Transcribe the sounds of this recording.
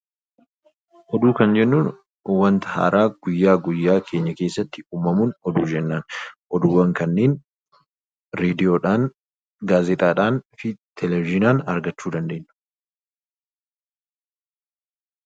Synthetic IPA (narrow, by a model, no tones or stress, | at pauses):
ʔɔd̪uːkɐnd͡ʒɛnːuːn | wɐnt̪ɐha̰ːɾʔaːɡ̥ʊjːaːɡʊjːaːkʰe̞ːɲːɐke̞ːsːɐt̪ːɪuːmːɐmuːnɔd̪uːd͡ʒɛnːaːnʔɔd̪ʊwːɐŋkɐnːeːn | ɾeːd̪ɪjoːᶑaːn | ɡaːzɛt̪ʼaːᶑaːnfɪt̪ʰɛlɛvɪd͡ʒɪnaːnɐɾɡɐt͡ʃːuːd̪ɐnd̪e̞ːnːʊ̥